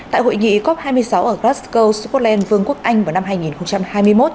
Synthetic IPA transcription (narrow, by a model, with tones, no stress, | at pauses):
ta̰ː˧˨jɦo̰˧˨jŋḭ˧˨kɔ˦˥p̚haː˧jmɨ˧əjsa˨˦wʔəː˧˩ɣɾaː˦˥skə˧wspɔ˦˥t̚lɛ˧nvɨ˧əŋku˦˥ək̚ʔa˧jŋ̟məː˨˩na˧mɦaː˧jŋi˨˩nxə˧wŋ͡mt͡ɕa˧mhaː˧jmɨ˧əjmo˦˥t̚